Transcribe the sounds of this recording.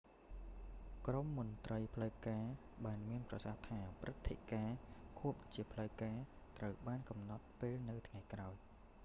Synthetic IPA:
kromːunt̪rəjpʰləwkaː | ɓaːnmiənprɑsaht̪ʰaːprɨt̪ʰːeʔkaːkʰuəp̚t͡ɕiəpʰləwkaː | t̪rəwɓaːnkɑmnɑt̪̚peːlnɨwt̪ʰŋajkraɔj

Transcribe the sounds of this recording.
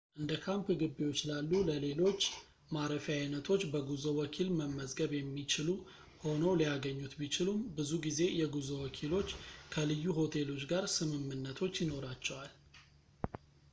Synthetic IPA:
ʔɨnd̪əkʰampɡɨbːiwo̞t͡ʃːlalːuləle̞lo̞t͡ʃː | maɾəfajnət̪ʰo̞t͡ʃːbəɡuzəwɔkʰilməmːəzɡəβjɛmːit͡ʃɪlu | ho̞nəwlijaɡəɲːut̪bit͡ʃɪlumbɨzuɡize̞jɛɡuzəwɔkʰilo̞t͡ʃːkʰəlɨjːuɦo̞t̪ʰe̞lo̞t͡ʃɡaɾsɨmɨmːɨnːət̪ʰo̞t͡ʃːjɪno̞ɾat͡ʃːɛwal

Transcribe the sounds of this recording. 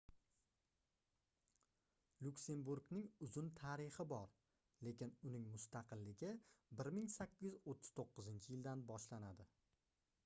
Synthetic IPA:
lukʲse̞mbuɾɡnɪŋʊzʊnt̪ʰaɾɪχɪbɒɾ | le̞kʲɪnʊnɪŋmʊst̪ʰɑqʰɨlːɪɡʲɪbɪɾmɪŋsakʲʰːɪjɪzot̪ʰːʊ̥z̥t̪ʰoqːɨzɪnt͡ʃʰɪjɪld̪anbɒʃlanad̪ɪ

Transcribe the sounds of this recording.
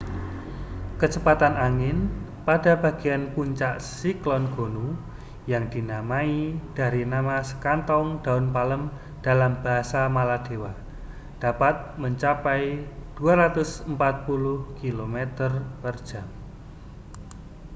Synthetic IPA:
kət͡ʃəpat̪anʔaŋɪn | pad̥a̤b̥a̤ɡ̥eanpuɲt͡ʃaʔsiklɔnɡ̥o̤nu | jaŋd̪̥i̤namaid̥a̤ɾinamasə̥kant̪ɔŋd̪̥a̤ʊnpaləm | d̥a̤lamb̥a̤ɦasamalad̪̥e̤wa | d̥apat̪̚məɲt͡ʃapɛid̪̥uaɾat̪ʊsəmpat̪̚pulʊhkilomet̪ərpərd̥ʒ̥a̤m

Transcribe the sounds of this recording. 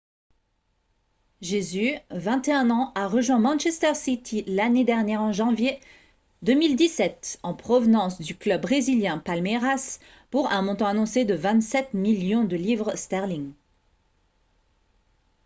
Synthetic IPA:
ʒezyvɛ̃t̪eɛ̃nɑ̃ʔaʁəʒwɛ̃mɑ̃nʃɛst̪ɛʁsit̪ʰilaned̪ɛʁnjɛʁɑ̃ʒɑ̃vje | d̪ømild̪isɛt̪ɑ̃pχɔvnɑ̃sd̪yklœbʁeziljɛ̃palmeʁas | puʁɛ̃mɔ̃t̪ɑ̃anɔ̃sed̪əvɛ̃t̪sɛt̪miljɔ̃d̪əlivʁst̪ɛʁliŋ

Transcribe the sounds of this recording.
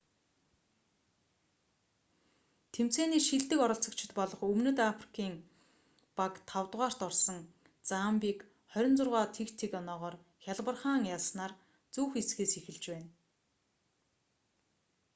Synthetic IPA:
t̪ʰem̥t͡seːniːʃiɮt̪ɘ̆kɔɾɞ̆ɬt͡sɞ̆kt͡ɕʰɪ̥̆t̪pɔɮɞ̆χɵmnɵ̆t̪afri̥kʰiːŋ | pakt̪ʰawt̪ʁaːr̥t̪ɔrsɞ̆ŋ | t͡sampiːk | χœɾʲɞ̆nt͡sʊrʁaːt̪ʰekt̪ʰekɔnɔːʁɔːr | xʲaɮpə̆rχaːŋjasnaːr | t͡suːxet͡sɡeːsixɘ̆ɮt͡ɕpæːn

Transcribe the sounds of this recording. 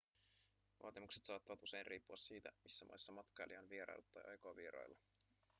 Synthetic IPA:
ʋʔɑ̰ːt̪imukse̥t̪sɑːt̪ːɑʋɑt̪use̞jnriːpːuɑsiːt̪æ̰misːæmɑ̰jsːɑmɑt̪kɑjliɑnʋieɾɑ̰j̰lːɑt̪ːɑ̰jʔɑ̰jkoɑʋieɾɑ̰jlːɑ

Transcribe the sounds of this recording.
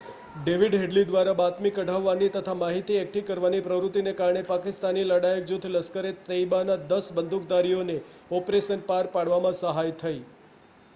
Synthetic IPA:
ɖeʋiɖɦeɖlid̪ʋaɾabat̪mikəɖʱaʋːanit̪ət̪ʰamaɦit̪iɛk̚ʈikəɾʋanipɾəʋɾut̪ːinekaɾɳ̃epakɪst̪aniləɽajək̚d͡ʒut̪ʰləskəɾet̪əibanad̪əsbənd̪ʱuk̚d̪aɾijoneɔpɾeʃənpaɾpaɽʋamãsəɦajt̪ʰəi

